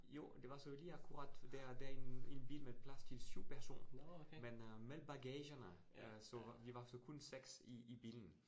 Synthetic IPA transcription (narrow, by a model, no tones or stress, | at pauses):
jo̝̰ːd̥e̝ʋɑ̈sɔ̽liækʰuʁɑ̈d̥d̥eɐd̥æɐenenb̥ḭːlmepʰlæst͡sʰe̝lsyʊ̰pʰæɐso̝̰ːnɐmenmelb̥ɑ̈ɡ̥ɛːɕɐnə | sɒ̽ʋiʋɑ̈sɒ̽kʰɔnseɡ̥siːb̥ḭːln̩